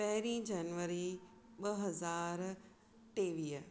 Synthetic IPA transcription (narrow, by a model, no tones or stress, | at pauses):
pɐɦɪɾĩːd͡ʑɐnʋəɾi | ɓɐɦɐzaːɾ | t̪eːʋiːə